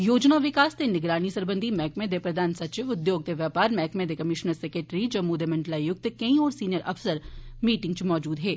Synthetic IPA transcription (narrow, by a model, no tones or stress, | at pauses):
joːd͡ʒnaʋɪkaːst̪enɪɡɾaːñisɐɾbə̃nd̪ʱimɛːkmẽd̪epɾɐd̪ʱaːnsɐtt͡ʃɪʋʊd̪joːɡ̚t̪eʋjaːpaːɾmɛːkmẽd̪ekɐmɪʃnəɾsekɾeʈɾid͡ʒɐʋmuːd̪emɐ̃ɳʈlaːjʊk̚t̪kɐĩoːɾsiːnjəɾɐ̰fsəɾmiːʈɪ̃ŋɡt͡ʃmɔːd͡ʒuːd̪ɦɛː